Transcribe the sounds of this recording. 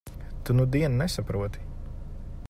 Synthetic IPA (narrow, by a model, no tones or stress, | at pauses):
t̪unud̪iɛnnɛsapɾuɔt̪i̥